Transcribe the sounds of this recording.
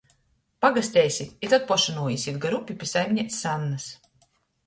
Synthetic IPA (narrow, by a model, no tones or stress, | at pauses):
paɡasʲt̪ʲɛjsʲit̪ʲit̪ɔt̪̚pɔʃɨnuːjisʲit̪̚ɡaɾupʲipʲisajmʲnʲɛt̪ʲsanːas